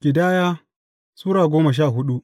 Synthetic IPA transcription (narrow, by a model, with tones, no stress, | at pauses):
ɡ̥ʲɪ˨daː˦jaː˦ | suː˦ɽaː˨ɡʷoː˦mɐ˨ʃ̬aː˦˨ɦʊ˦ɗu˦ʔ